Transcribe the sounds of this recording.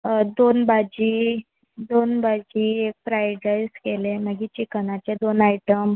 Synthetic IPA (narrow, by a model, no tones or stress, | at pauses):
d̪onbad͡ʑiː | d̪onbad͡ʑiːek̚fɾajɖɾajskeleməɡit͡ɕiknat͡ɕed̪onajʈəm